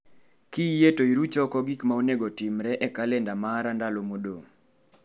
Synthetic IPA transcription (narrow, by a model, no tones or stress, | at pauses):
kijetoiɾut͡ʃɔkɔɡikmaoneɡotimɾɛʔɛkalendamaɾandalomodo